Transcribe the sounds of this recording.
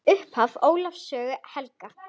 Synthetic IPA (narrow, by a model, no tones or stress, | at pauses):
ʏhphavoːwlafsœːɣʏhɛlka